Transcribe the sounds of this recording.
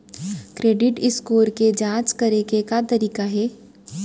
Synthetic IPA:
kɾeːɖɪʈɪskoːɾked͡ʒãːt͡ʃkɐɾekekat̪ɐɾiːkaɦɛː

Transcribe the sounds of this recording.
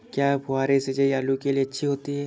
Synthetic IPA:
kjaːbʱʊaːɾesed͡ʒɐiaːlukelieɐtːʃʰiɦoːt̪iɦɛː

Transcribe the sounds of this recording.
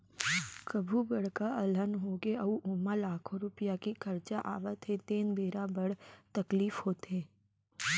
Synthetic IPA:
kɐbʱubɐɽ̤kaɐlənɦoːɡeɐuʔoːmalaːkʰõɾʊpijakikɐɾt͡ʃaʔa̰ːʋət̪ʰet̪eːnbʱeːɾabɐɽ̤t̪ɐkliːfhoːt̪ẽː

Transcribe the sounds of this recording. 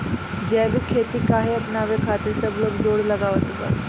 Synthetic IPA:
d͡ʒɛːbikʰeːt̪ikaːɦeəpnaːʋekʰaːt̪əɾsəbloːɡzoːɽləɡaːʋət̪epə̰ɾ

